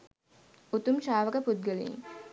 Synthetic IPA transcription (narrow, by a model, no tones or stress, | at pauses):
ut̪umʃaːʋɐkəpud̪̚ɡɐlḛŋ